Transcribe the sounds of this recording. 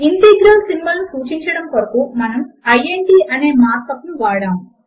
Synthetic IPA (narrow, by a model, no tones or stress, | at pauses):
int̪eɡɾɐlsinibɐlnusuːt͡ʃiɲt͡ʃɐɽɐmkɐɾɐkuːmɐnɐmɐjeɳʈiːʔɐneːmaːɾk̪ɐknuʋaːɽaːm